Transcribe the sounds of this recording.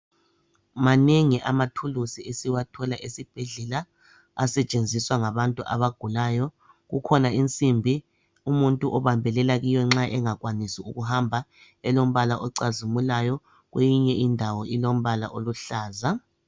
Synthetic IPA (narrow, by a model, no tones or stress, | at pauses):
maneŋiʔamatʰulusiesiwatʰɔlaʔesib̥ʱeɮɛlaː | sɛt͡ʃʼend͡zʱiswaŋaβantʼuʔa̰βaɡ̥ʱulaːjɔ | ɣukʰɔnaint͡sʼimbʱi | umuntʼuʔɔβambʱɛlɛlaɣijɔŋ͡ǁaʔɛŋaɣwanisiuɣuhambʱa | ɛlom̩βalaʔɔǀazimulajɔ | ɣwejiɲɛʔindʱawɔilom̩βala̰ʔoluɬaːza